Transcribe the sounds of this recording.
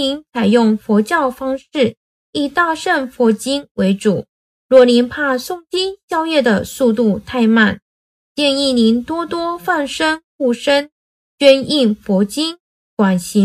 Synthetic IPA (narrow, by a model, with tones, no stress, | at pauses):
i˧˥ŋt͡sʰa˨˩ɪjʊ˥˩ŋfɔ˧˥t͡ɕjɑ˥˩ʊfɑ˥ŋʂɻ̩˥˩ | i˥˧t̪a˥˧ʂə˥˩nfwɔ˧˥t͡ɕi˥nwe˧˥ɪʈ͡ʂu˨˩˦ | ɻwɔ˥˩li˧˥npʰa˥˧sʊ˥˩ŋt͡ɕi˥nɕjɑ˥ʊjɛ˥˩d̪ə˩su˥˧t̪u˥˧t̪ʰa˥˧ɪma˥˩n | t͡ɕjɛ˥˧ni˥˩ni˧˥nt̪wɔ˥t̪wɔ˥fa˥˩nʂə˥nxu˥˩ʂə˥n | t͡ɕɥɛ˥ni˥˩nfɔ˧˥t͡ɕi˥n | kwa˨˩nɕi˧˥